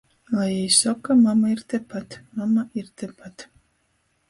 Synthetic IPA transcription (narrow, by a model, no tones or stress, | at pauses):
lˠajɛjsɔkːamamaiɾt̪ɛpat̪mamaʔiɾt̪ɛpat̪